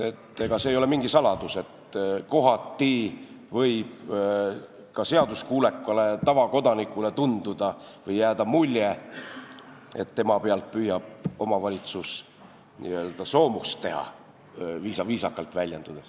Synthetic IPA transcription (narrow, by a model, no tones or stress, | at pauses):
e̞t̪ːeɡ̥ɑsejo̞le̞miŋɡ̥isɑlɑd̪̥use̞t̪ko̞ɦɑt̪ːi | vɤjb̥ | kɑse̞ɑd̪uskuːle̞kˑːɑle̞t̪ɑvɑko̞d̪ɑnikːˑule̞t̪und̪ud̪̥ɑvɤjːæːd̪̥ɑmulʲːje | e̞̰t̪ːe̞mɑpeɑlt̪̚pyjɑb̥̚o̞mɑvɑlʲit̪sus | nḭø̞ːld̪̥ɑso̞ːmust̪t̪ːe̞ɦɑ̰ | viːsɑviːsɑkːˑɑlt̪vælʲjɑnd̪̥ud̪̥es